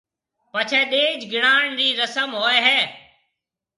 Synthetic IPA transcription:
pət͡ʃʰeːɗẽːd͡ʒɡɪɽ̃aːɳɾiːɾəsəmɦoːeːɦɛː

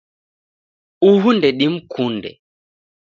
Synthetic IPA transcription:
uɦundɛɗim̩kʰundɛ̰

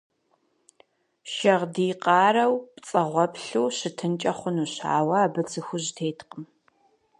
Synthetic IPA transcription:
ʃɐʁdiːqɑːrɐwpt͡sʼɐʁʷɔpɬuːɕɪtʰɨnt͡ʃʼɐχʷʊnuːɕa̰ːwɐaːbɨt͡sʰɨxʷʊʑtʰeːtqəm

